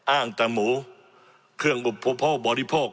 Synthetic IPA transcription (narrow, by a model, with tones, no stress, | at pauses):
ʔaː˥˩ŋt̪a˧moː˨˦ | kʰɯ˥˩əŋʔo˨˩pʰːo˦˥pʰːɔː˥˩bɔː˨˧ɾi˦˧pʰoː˥˩k̚